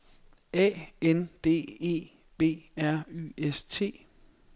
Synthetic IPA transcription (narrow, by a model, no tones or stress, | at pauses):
ɛ̰ːend̥e̝̰ːe̝̰ː | b̥e̝̰ːæɐ̰y̰est͡sʰe̝̰ː